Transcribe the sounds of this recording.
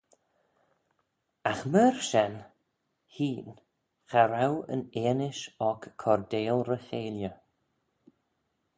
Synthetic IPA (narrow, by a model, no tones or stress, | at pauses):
axməɹʃɛn | hiːn | xaɾawə̰neːnɪʃɔkːʰɔɾdeːlˠɾəxeːljə